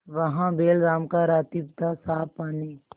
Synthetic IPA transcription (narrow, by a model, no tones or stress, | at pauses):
ʋɐɦãbeːlɡaːmkaɾaːt̪ipt̪asaːpaːniː